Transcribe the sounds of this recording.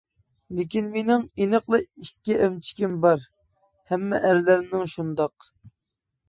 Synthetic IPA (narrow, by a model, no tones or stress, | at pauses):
lɪkʲinmenɪŋinəqlˠɨikʲːiʔɛmt͡ʃʰi̥kʲimbɑɾ | hɛmːɛ̰ʔæɾlæɾɪnɪŋʃund̪ɑq